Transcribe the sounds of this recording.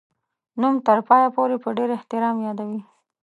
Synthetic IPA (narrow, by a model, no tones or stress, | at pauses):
numt̪əɾpɑjapoɾepəɖeɾɪht̪ɪɾɑmjɑd̪awi